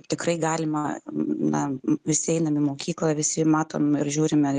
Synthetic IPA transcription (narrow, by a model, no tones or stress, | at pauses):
t̪ʲɪkɾɐɪɡɑːlʲɪmɐnɐ̰ʋʲɪsʲɪɛɪnɐmʲɪmoːkʲiːklˠɐʋʲɪsʲɪmɑːt̪o̰ːmɪɾʒʲuːɾʲɪmʲɛ